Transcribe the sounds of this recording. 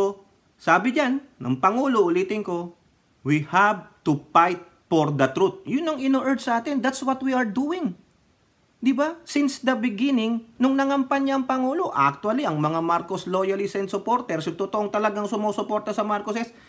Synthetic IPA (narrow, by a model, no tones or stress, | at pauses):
o | saːbɪd͡ʒanːʔɐ̰ŋpɐŋuːlo̞ʔʊliːt̪ɪŋko̞ | wihab̚t̪ʊpajt̪̚ | foɾd̪ɐt̪ɾut̪̚jʊnɐŋɪnoʔɛd̪sɐʔaːt̪ɪnd̪at̪swɐt̪wiɐɹd̪uːɪŋ | d̪ɪbasɪnsd̪ɐbɪɡɪnɪŋnʊŋnɐŋɐmpɐnɲaʔɐŋpɐŋuːlo̞ʔak̚t̪wɐliʔɐŋmɐŋamaɾkoslo̞jɐlisɛnsopo̞ɾt̪ɛɾsʊt̪ot̪oʔoŋt̪ɐlɐɡaŋsʊmoːsopo̞ɾt̪ɐsɐmaɾkosɛs